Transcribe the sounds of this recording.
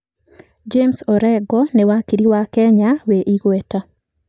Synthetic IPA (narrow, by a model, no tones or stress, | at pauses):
d͡ʒemsɔɾɛɡɔnɛwakiɾiwakɛɲaweʔiɡwɛta